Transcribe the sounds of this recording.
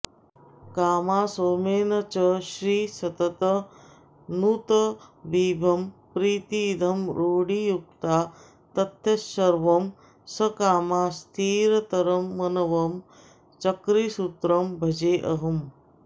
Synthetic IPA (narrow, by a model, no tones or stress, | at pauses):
kaːmaːsoːmeːnɐt͡ʃɐʃɾiːsɐt̪ɐt̪ɐ | nut̪ɐʋiːbʱɐmpɾiːt̪iːd̪ʱɐmɾoːɽijuk̚t̪aː | t̪ɐt̪jɐsɐɾʋɐm | sɐkaːmaːst̪ʰiːɾɐt̪ɐɾɐmːɐnɐʋɐm | t͡ʃɐkɾisut̪ɾɐmbʱɐd͡ʒeːʔɐɦɐm